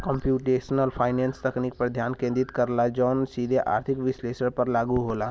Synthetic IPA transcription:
kə̃mpjuːʈeːʃnəlpʰaːɪnẽːnst̪ɐknik̚pɐɾd̪ʱjaːnkẽnd̪ɪt̪kɐɾlad͡ʒɔːnsiːd̪ʱeʔa̰ːɾt̪ʰɪkʋɪsleːʃəɽpɐɾlaːɡuɦoːlaː

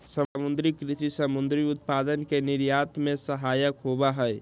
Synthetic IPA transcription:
səamund̪ɾikɾisisəmund̪ɾiut̪̚pad̪ənkeniɾjat̪mesəɦajəkɦobaɦəj

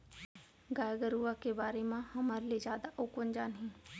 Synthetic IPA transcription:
ɡaːjɡəɾuːakebaːɾemãhɐmaːɾelezjaːd̪aʔʊkənd͡ʒaːnɦĩː

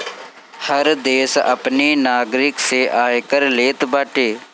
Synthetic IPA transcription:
həɾd̪eːsə̰pneːnaːɡɾɪkseʔaːjkəɾleːt̪baːʈeː

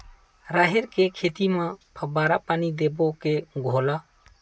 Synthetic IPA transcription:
ɾaɦɛɾkekʰeːt̪imãpʰəbaːɾapaːnid̪ebokeɡʱolaː

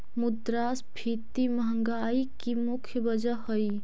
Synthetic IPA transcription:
mud̪ɾasbʰʱit̪iməɦəŋɡaikimukʰjəbəd͡ʒəhoi

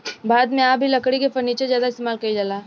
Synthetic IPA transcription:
baːd̪mẽaːbʱilɐkɽikepɐɾniːt͡ʃezjaːd̪aɪst̪eːmaːlkɐid͡ʒalaː

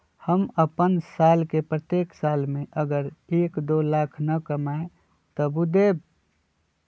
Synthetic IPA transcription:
həməpənsaːlkepɾət̪eːksaːlmẽʔəɡəɾeːkd̪olaːkʰnəkəmae | t̪əbud̪eːb̚

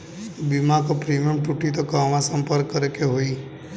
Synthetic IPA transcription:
bimãkopɾimijəmʈuʈit̪okamãsəmpəɾkːəɾekeɦoi

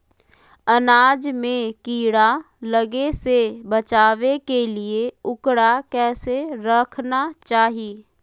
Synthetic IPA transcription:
ənaːd͡ʒmẽkiːɽa | ləɡesebət͡ʃaːʋekelieʊkɽakɛːseɾəkʰnat͡ʃaːɦiː

